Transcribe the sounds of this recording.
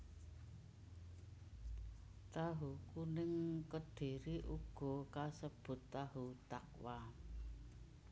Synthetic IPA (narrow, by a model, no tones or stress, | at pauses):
t̪aɦukunɪŋkəd̪̥e̤ɾiʔuɡ̥ɔ̤kasəb̥ʊ̤t̪ːaɦut̪ak̚wa